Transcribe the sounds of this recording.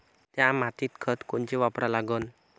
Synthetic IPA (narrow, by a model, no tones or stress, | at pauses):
t̪jamat̪it̪̚ɡ̥ɔ̤t̪kuɲt͡ʃiwapɾalaɡɔn